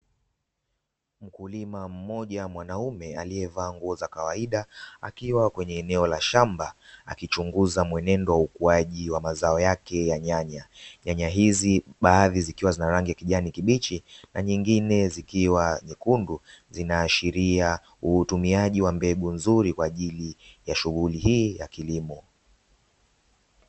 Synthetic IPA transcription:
m̩kulimam̩mɔʄamwanaumɛaliɛvaːŋɡuɔzakawaiɗaa̰kiwakwɛɲɛːnɛɔlaʃambaa̰kit͡ʃuŋɡuzamwɛnɛndɔwaukuaʄiwamazaɔjakɛjaɲaɲaɲaɲaɦiziɓaːðizikiwazinaɾaŋɡijakiʄanikiɓit͡ʃinaɲiŋɡinɛzikiwaɲikunduzinaːʃiɾia | uhutumiaʄiwambɛɠunzuɾikwaːʄilijaʃuɣulihiːjakilimɔ

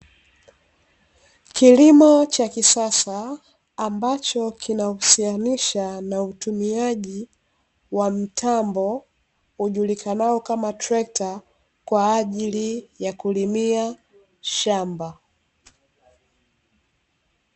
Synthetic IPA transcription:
kilimɔt͡ʃakisasaː | mbat͡ʃɔkʰinausianiʃanautumiaʄi | wam̩tʰambɔ | uʄulikʰanaɔkamatɾɛk̚ta | kwaːʄilijakulimia | ʃamba

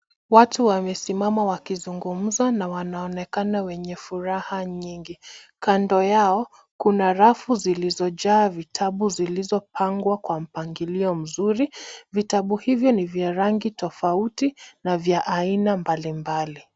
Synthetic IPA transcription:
watuwamɛsimamawakizuŋɡum̩zanawanaɔnɛkanawɛɲɛfuɾahaɲiŋɡi | kandɔjaɔ | kunaɾafuzilizɔʄaːvitʰaɓuzilizɔpaŋɡwakwam̩paŋɡiliɔm̩zuɾivitaɓuhivjɔnivjaɾaŋɡitɔfautinavjaʔainambalimbali

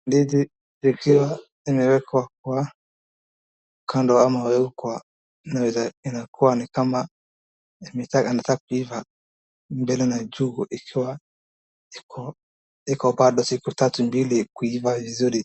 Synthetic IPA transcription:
ndidi | ikiwa | imɛwɛkwakwa | ukʰandɔamawɛukwa | nawɛzainakʰuwanikama | imɛtakanatak̚uiva | mbɛlɛnad͡ʒuɡuʔikʰiwa | ikɔ | ikɔbaɗɔsikutatumbilikuivavizuɾi

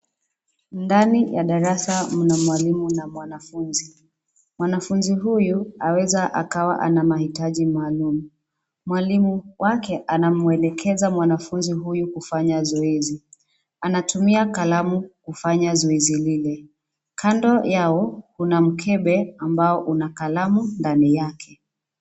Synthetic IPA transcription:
ndanijaɗaɾasam̩namwalimunamwanafunzi | mwanafunziɦujuawɛzaʔa̰kawa̰ʔa̰namahitaʄimaːlumu | mwalimuwʔakɛʔanamuɛlɛkʰɛzamwanafunziɦujukufaɲazɔɛzi | anatumiakalamukufaɲazɔɛzililɛ | kʰandɔjaɔhunam̩kʰɛɓɛambaɔʔunakalamundanijakʰɛ

